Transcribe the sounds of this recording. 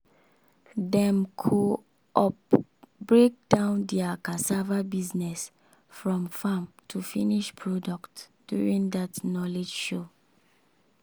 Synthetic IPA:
dɛ̃mkʰu | ʔɔpbɹek̚d̥ãʊ̃ndɛakasavabiznɛs | fɹɔ̃mfãmtʰufiniʃpʰɹɔdɔktd̥jṵɹĩndatnɔled͡ʒʃo

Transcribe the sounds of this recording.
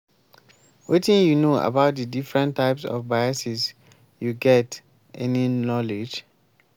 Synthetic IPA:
wetĩnjunoa̰baʊt̚dədifɹɛ̃ntʰːaɪpsɔ̰fbaɪasis | juɡɛt | ʔɛninɔled͡ʒ

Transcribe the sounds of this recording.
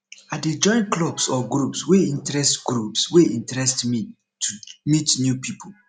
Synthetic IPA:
aded͡ʒɔ̃ɪ̃nklɔbsɔɡɹupsweĩntɹɛstɡɹupsweʔĩntɹɛstmi | tumitnjupipʰol

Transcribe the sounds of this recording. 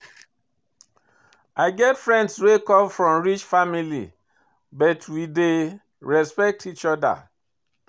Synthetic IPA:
aɪɡɛtfɹɛ̃ndswekɔ̃mfɹɔ̃mɹit͡ʃfamilḭ | bɔtʰwide | ɹɛspɛk̚tʰit͡ʃɔda̰

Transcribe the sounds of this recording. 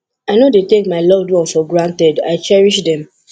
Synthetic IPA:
aɪnodetekmaɪlɔvdwɔ̃nfɔɡɹãntɛda̰ɪt͡ʃɛɹiʃdɛ̃m

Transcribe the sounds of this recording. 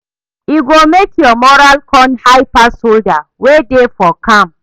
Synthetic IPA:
iɡomekjɔmɔɹalkʰɔ̃nhaɪpasoldawedefɔkʰãm

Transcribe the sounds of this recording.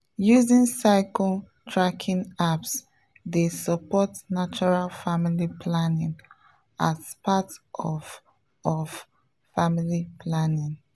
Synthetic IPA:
juzĩnsaɪkɔl | tʰɹakʰĩnaps | desəpɔtnat͡ʃɔɹalfamilipʰlanĩn | ʔazpʰatʔɔv | ɔv | familipʰlanĩn

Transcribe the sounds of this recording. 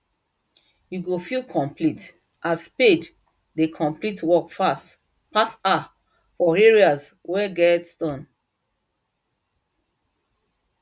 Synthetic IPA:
juɡofilkʰɔ̃mplit | ʔasped | dekʰɔ̃mplitwɔkfas | pasta | fɔeɹiazwɛɡɛtstɔ̃n

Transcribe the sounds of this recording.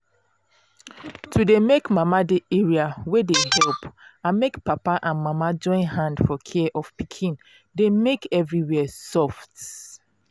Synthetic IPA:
tʰudemekmamadeeɹiawedeɦɛlpãnmekpapaʔãnmamad͡ʒɔ̃ɪ̃nhãndfɔkʰɛʔɔfpikʰĩn | demekɛvɹiwɛsɔft

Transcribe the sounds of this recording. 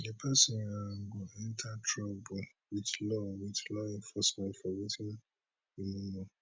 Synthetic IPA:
epʰɛsɔ̃naɡɔɛ̃ntʰatʰɹabul | wiðlɔwiðlɔĩnfɔsmɛ̃ntfɔwitʰĩn | imũmɔ̃

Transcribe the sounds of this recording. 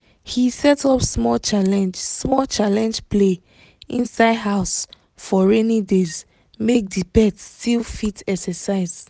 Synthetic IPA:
hisɛtʰɔpsmɔlt͡ʃalɛ̃nd͡ʒsmɔlt͡ʃalɛ̃nd͡ʒpʰle | ĩnsaɪdɦaʊs | fɔɹɛnidez | mek̚dibɛtstʰilˠfitʰɛksəsaɪz

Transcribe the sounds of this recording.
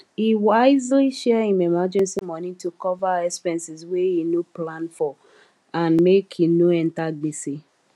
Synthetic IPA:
iwaɪzliʃɛhĩmɛmad͡ʒɛ̃nsimɔ̃nĩtukɔvaɛspɛ̃nsizweinoplãnfɔ | ãnmekʰinoɛ̃ntaɡ͡bisi

